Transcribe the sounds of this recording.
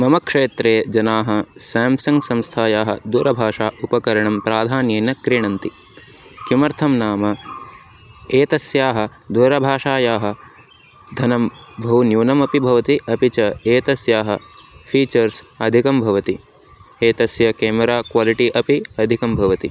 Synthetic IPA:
mɐmɐkʂeːt̪ɾeːd͡ʒɐnaːɦɐsaːmsɐŋɡsɐ̃mst̪ʰaːjaːɦɐd̪uːɾɐbʱaːʂaːʔupɐkɐɾɐɳɐmpɾaːd̪ʱaːnjeːnɐkɾiɳɐnt̪i | kjumɐɾt̪ʰɐmnaːmɐ | eːt̪ɐsjaːɦɐ̆d̪uːɾɐbʱaːʂaːjaːɦɐ̆ | d̪ʱɐnɐmbʱɐɦunjuːnɐmɐpibʱɐʋɐt̪iʔɐpit͡ʃɐeːt̪ɐsjaːɦɐpʰiːt͡ʃɐɾsɐd̪ʱikɐmbʱɐʋɐt̪i | eːt̪ɐsjɐkeːmɐɾaːkwaːliʈiʔɐpiɐd̪ʱikɐmbʱɐʋɐt̪i

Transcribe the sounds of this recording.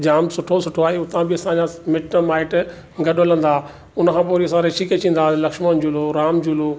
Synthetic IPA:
d͡ʑaːmsʊʈʰosʊʈʰoaːɦeʊt̪ãbɪɐsãd͡ʑamɪʈnmaːɪʈ | ɡɐɗolə̃nd̪aː | ʊnkʰãːpoːɾiɐsãɾeːʃiket͡ɕĩːn̆d̪alɐkʃmənd͡ʑuloɾaːmd͡ʑulo

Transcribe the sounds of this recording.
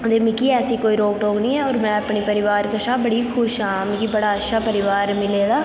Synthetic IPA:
d̪eːmɪkiːɛːsiːkoːiːɾoːkʈoːknĩːɛːoːɾmɛ̃ːəpɳiːpəɾɪʋaːɾkəʃãːbəɽiːkʰʊʃɦãːmɪ̃kiːbəɽaːətːʃʰaːpəɾɪʋaːɾmɪleːd̪aː

